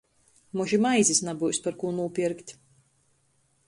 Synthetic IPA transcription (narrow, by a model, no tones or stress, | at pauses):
muʒimajzʲisnabujspaɾkuːnuːpʲiɾkt̪ʲ